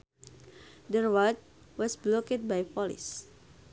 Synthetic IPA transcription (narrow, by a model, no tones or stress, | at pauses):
dəwat̪̚ | wɔsblɔkət̚bajpɔlḭs